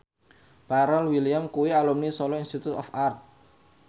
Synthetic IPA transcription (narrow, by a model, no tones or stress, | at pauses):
b̥aɾalwiliamkuwialumnisɔlɔinst̪it̪ut̪ɔfart̪̚